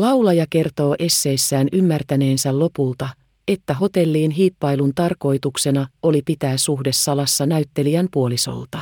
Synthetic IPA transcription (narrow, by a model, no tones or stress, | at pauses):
lɑwlɑjɑke̞rt̪o̞ːʔe̞sːe̞ːsːæːnymːært̪æne̞ːnsællo̞pult̪ɑ | e̞t̪ːæɦo̞t̪e̞lːiːnɦiːpːɑjlunt̪ɑrko̞jt̪ukse̞nɑo̞lipit̪æːsuhde̞sːɑlɑsːɑnæyɥt̪ːe̞liæmpuo̞liso̞̰lt̪ɑ